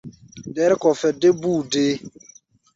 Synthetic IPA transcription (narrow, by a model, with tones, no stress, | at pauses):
dɛ˦ɾkɔ˨fɛ˨de˦buː˦˨de˦